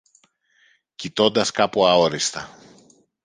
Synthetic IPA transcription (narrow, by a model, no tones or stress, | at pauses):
cit̪o̞nd̪ɐskɐpuɐo̞ɾist̪ɐ